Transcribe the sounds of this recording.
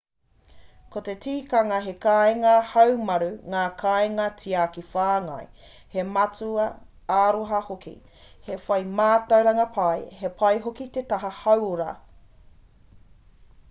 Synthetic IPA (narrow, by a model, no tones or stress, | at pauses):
kot̪e̞tiːkɐŋɐɦe̞kaeŋɐhɐwmɐɾuŋaːkʰajŋɐtʰiaːkifaːŋɐ̰j | hemɐt͡suɐ | aːɾoɦɐhokḭ | hefɐjmaːtɐwɾɐŋɐpʰɐjhe̞pʰɐjɦokit̪et̪ɐɦɐhɐwoɾɐ